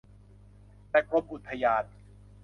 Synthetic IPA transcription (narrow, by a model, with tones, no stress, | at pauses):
t̪ɛː˨˧˩ko˦˥p̚ʔu˨˩t̪ʰːa˧jaː˧n̚